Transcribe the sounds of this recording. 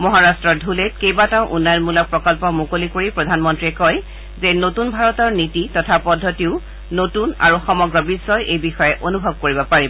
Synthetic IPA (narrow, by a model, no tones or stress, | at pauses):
mɔɦaɹastɹɔdʱulet̚kejbataʊ̃ʔunːajɔnmulɔk̚pɹɔkɔlpɔmukolikoɹipɹɔdʱanmɔntɹiɛkɔj | zenotunbʱaɹɔtɔɹnititɔtʰapɔdʱːɔtiʊ | notuna̰ɹuxɔmɔɡɹɔbisːɔjʔejbixɔjɛʔonubʱɔb̚koɹibɔpaɹibɔ